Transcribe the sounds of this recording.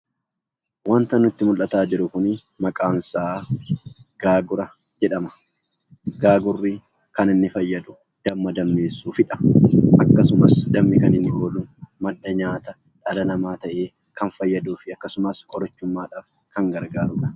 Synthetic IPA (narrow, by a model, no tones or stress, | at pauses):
wɐnt̪ɐnʊɪt̪ːɪmʊlʔɐt̪aːd͡ʒɪɾʊkʊnɪ | mɐkʼaːnsaː | ɡ̥aːɡʊɾɐ | d͡ʒɛᶑɐmɐ̥ | ɡ̥aːɡʊrːiː | kɐnɪnːɪfɐjːɐd̪ʊ | d̪̥ɐmːɐd̪ɐmːeːsːuːfɪᶑɐ̥ʔɐkːɐsʊmɐsd̪ɐmːɪkɐnɪnːɪʔoːlʊmɐd̪ːɐɲaːt̪ɐ | ᶑɐlɐnɐmaːt̪ɐʔe̞ː | kɐnfɐjːɐd̪uːfɪɐkːɐsʊmɐskʼɔɾɐt͡ʃːʊmːaːᶑaːf | kɐŋɡɐɾɡaːɾʊːᶑɐ̥